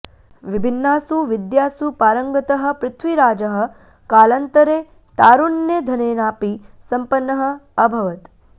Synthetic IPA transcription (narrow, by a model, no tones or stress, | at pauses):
ʋibʱinːaːsuʋid̪jaːsupaːɾɐŋɡɐt̪ɐɦɐ̆pɾɪt̪ʰʋiɾaːd͡ʒɐɦɐ̆ | kaːlɐnt̪ɐɾeː | t̪aːɾunːed̪ʱɐneːnaːpisɐmpɐnːɐɦɐ̆ɐbʱɐʋɐt̪